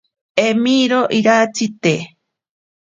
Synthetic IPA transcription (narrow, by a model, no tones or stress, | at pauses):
emiɾoʔiɾat͡sit̪e